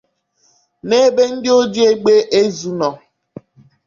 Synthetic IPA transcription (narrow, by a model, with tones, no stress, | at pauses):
ne˦be˦n̩˦dɪ˦o˦d͡ʒi˦e˦ɡ͡be˦ʔe˦zu˨nɔ˨